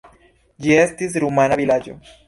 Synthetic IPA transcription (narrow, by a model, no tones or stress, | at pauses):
d͡ʒiest̪is̬ɾumanaβilad͡ʒo̰